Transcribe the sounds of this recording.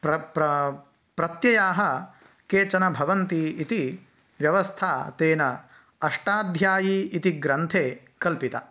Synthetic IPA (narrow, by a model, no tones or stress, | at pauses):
pɾɐpɾɐ | pɾɐt̪jɐjaːɦɐ | keːt͡ʃɐnɐbʱɐʋɐnt̪iit̪i | ʋjɐʋɐst̪ʰaːt̪eːnɐ | ɐʂʈaːd̪ʱjaːjiit̪iɡɾɐnt̪ʰeː | kɐlpit̪ɐ̰